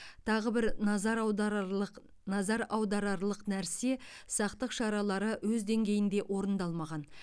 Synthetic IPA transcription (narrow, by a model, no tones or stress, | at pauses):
t̪ʰɑʁəbɪɾnɑzɑɾ | q | nɑzɑɾɑwd̪ɑɾɑɾlˠəqnæɾse̞sɑqt̪əqʃɑɾɑlˠɑɾəwɵzd̪e̞ŋɡʲe̞jɪnd̪e̞ʔwʔo̞ɾənd̪ɑlˠmɑʁɑn